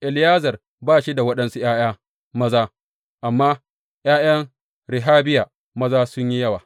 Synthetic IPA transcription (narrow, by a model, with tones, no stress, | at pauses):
ʔɪ˨ljaː˦zɐ˨r | baː˦˨ʃi˦da˨wɐ˦ɗɐ˦nsu˦j̰aː˦j̰aː˦ | mɐ˦zaː˦ | ʔa˨mːaː˦ | j̰aː˦jɐ˦ŋ | ɾɪ˨ɦaː˦bɪ˦ja˨ | mɐ˦zaː˦sʊ˦ɲji˦jɐ˦waː˨